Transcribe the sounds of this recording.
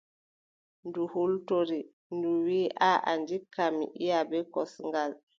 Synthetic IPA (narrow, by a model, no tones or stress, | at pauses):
nduhultoɾi | nduwiːʔaʔa̰ndikːamḭʔijabɛkɔsŋɡal